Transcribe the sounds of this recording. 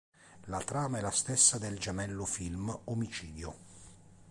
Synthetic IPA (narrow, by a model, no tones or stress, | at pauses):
lat̪ɾaːmaɛlast̪esːad̪eld͡ʒamɛlːʊfilmomit͡ʃiːd̪jo